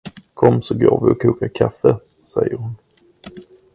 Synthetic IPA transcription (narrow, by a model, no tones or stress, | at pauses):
kʰɔmːsɔɡoːɾvɪɔkʰːuːkaɾkʰafːə | sɛjːəɾhʊn